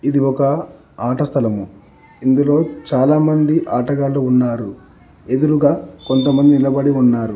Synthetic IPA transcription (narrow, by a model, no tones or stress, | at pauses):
id̪iɔkɐ | aːʈɐst̪ʰɐlɐmu | ind̪ulo̞ːt͡ʃaːlaːmɐnd̪iʔaːʈɐɡaːluunːaːɾu | e̞d̪uɾuɡaːko̞nt̪ɐmɐnd̪inilɐbɐɽiunːaːɾu